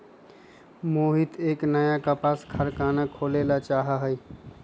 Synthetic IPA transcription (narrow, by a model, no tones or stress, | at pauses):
moɦit̪eːknəjakəpaskʰəɾkanakʰolelat͡ʃaɦəɦəj